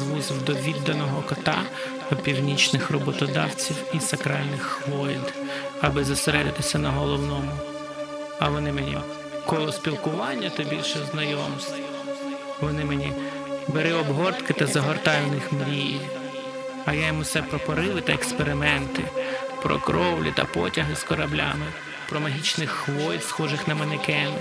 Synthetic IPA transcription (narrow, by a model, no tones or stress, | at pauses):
zʋuzɪwd̪ɔʋʲid̪ːɐnɔɦɔkɔt̪ɑ | ɔpʲiwnʲit͡ʃnɪxrɔbɔt̪ɔd̪ɑwt͡sʲiwisɐkɾɑlʲnɪxxʋɔlʲd̪ɐbɪzɐseɾɛd̪ɪt̪ɪsʲɐnɐɦɔlˠɔwnɔmʊ | ɐʋɔnɪmenʲi | kɔlˠɔspʲilˠkʊʋɑnʲːɐt̪ɐbʲilʲʃɛznɐjɔmsʲt | ʋɔnɪmenʲi | beɾɛɔbɦɔrt̪kɪt̪ɐzɐɦɔrt̪ɑjʊnɪxmɾʲijiw | ɐjajɔmusɛpɾɔpɔɾɪʋɪt̪ɐekspeɾɪmɛnt̪ɪ̰pɾɔ̰kɾɔwlʲḭt̪ɐ̰pɔ̰tʲɐɦɪskɔɾɐblʲa̰mɪ | pɾɔmɐɦʲit͡ʃnɪxxʋɔjʲd̪sxɔʒɪxnɐmɐnɪkɛn